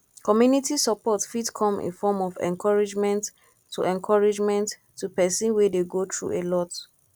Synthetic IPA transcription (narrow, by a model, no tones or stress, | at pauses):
kɔmjunitisapɔtfidkʰɔ̃mʔḭ̃nfɔmɔvɛ̰̃nkʰɔɹid͡ʒmɛ̃ntʰː | ṵʔɛ̃nkʰɔɹid͡ʒmɛ̃ntʰː | upɛsɔ̃nwɛdeɡotɹṵelɔt